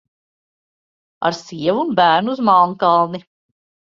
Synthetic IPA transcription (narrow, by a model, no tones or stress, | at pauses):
a̰ɾsiɛvunbæːɾnuuzmɑlˠŋkɑlˠni